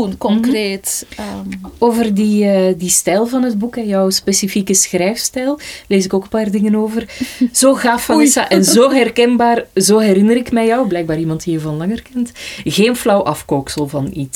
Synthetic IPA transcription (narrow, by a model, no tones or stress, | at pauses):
unkɔŋkreːt | oːvərdiədistɛlˠvɑnɦədbukɛjɔwspeːsifikəsxrɛjfstɛlˠleːzɪkoːkəpaːrdɪŋənoːvərz̥oːɣaːfːɑisaʔɛnzoːɦɛrkɛnbaːrzoːɦɛɾɪnəɾɪkmɛjɔwblɛjɡ̚baːɾimɑntdijəvɑnlɑŋərkɛntɣeːnflɔwʔɑfkoːksəlˠvɑnit